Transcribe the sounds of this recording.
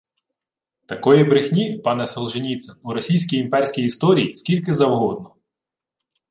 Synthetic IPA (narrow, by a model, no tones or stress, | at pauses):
t̪ɐkɔjibɾɪxnʲipɑnɛsɔlˠʒɪnʲit̪sɛnuɾɔsʲijsʲkʲijimpɛrʲsʲkʲijist̪ɔɾʲijisʲkʲilʲkɪzɐʋɦɔd̪̚nɔ